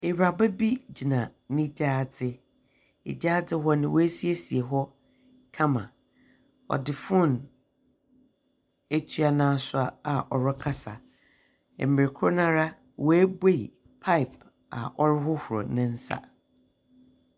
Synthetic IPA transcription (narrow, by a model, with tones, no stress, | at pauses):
e˨ɥɾa˨ba˦bi˦d͡ʑi˨nã˨nɪ̃˦d͡ʑaː˦˨d͡zɪ˦ | ḛ˨d͡ʑaː˦d͡zɪ˦ɦɔ˦nɪ̃˨wɔ˦æ˦si˦e˦si˨e˨ɦɔ˦ | kʰã˦mã̰˨ | ɔ̰˨dɪ˨fʊ̃˦˨n | e˦tʰɥa˨nãː˦sʊ˦a˦a˨ʔɔ˨ɾɔ˦kʰa˦sa˨ | ɛ̰˨m˨mɪ˨ɪ˨kʰʊ˦ɾnã˦ɾa˦ | wɔ˨æ˦be˦˨i˨ | pʰa˦ɪ˨p | a̰˨ʔɔ˦ɾɪ˦ɦʊ˦hʊ˨ɾɔ̰˨nɪ̃˦n̩˦sa̰˦˨